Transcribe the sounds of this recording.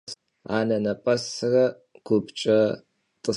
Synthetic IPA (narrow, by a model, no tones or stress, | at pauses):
a̰ːnɐnɐpʼɐsɨrɐ | ɡ̥ʷʊbt͡ʃʼɐ | tʼɨ